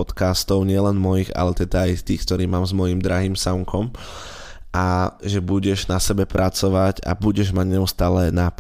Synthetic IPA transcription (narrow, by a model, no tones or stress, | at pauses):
ɔt̪kast̪ɔʊɲɪɛlɛnmɔjiɣa̰lɛt̪ɛd̪aːjst̪iːxk̚t̪ɔɾiːmaːmzmɔjimd̪ɾaɦiːmsaŋkʰɔm | ʔaʒɛbuɟɛʒnasɛbɛpɾʔat͡sɔʋaɟa̰buɟɛʒmaɟɲɛust̪aːlɛnap